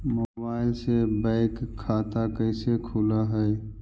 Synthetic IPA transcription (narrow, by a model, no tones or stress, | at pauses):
mobaːɪlsebãɪkʰːaːt̪akəɪsekʰulaɦɛj